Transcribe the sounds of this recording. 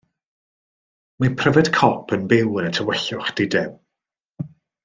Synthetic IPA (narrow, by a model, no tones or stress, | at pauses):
mapʰrəvɛd̥kʰɔpʰənbɪwənətʰəwɛɬʊχd̥idɪm